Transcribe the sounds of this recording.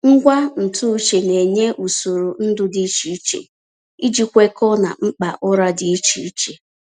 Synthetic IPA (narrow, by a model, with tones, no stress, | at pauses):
ŋ̩˦ɡʷa˦n̩˨tu˦t͡ʃe˨ne˨ɲe˦ʔu˨so˨ɾu˨n̩˦dʊ˦dɪ˦i˦t͡ʃi˨˦i˦t͡ʃḛ˨ | i˦d͡ʒi˦kʷe˦kɔ˦na̰˨ŋ͡m̩˦k͡pa̰˨ʔɔ˦ɾa˦dɪ˨i˦t͡ʃḭ˨i˦t͡ʃe˨